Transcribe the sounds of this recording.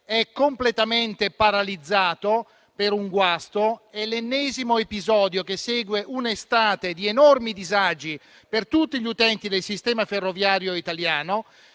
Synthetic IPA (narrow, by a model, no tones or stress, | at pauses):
ɛkːomplet̪ament̪epaɾalid̪zːaːt̪o | peɾuŋɡwast̪oɛlːenːɛːzimoepizɔːd̪jokesːɛːɡweʔunest̪aːt̪ed̪ienɔrmid̪izad͡ʒi | pert̪ut̪ːiʎut̪ɛnt̪id̪elsist̪ɛːmaferːovjaːɾjoit̪aljaːno